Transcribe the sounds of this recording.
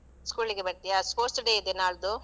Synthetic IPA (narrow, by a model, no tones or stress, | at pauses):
skuːliɡebɐɾt̪ijaspoːsʈɖeid̪enaːɭud̪u